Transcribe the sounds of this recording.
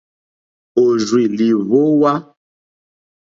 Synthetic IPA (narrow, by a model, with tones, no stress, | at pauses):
o˨zwi˨li˨vo˦wa˦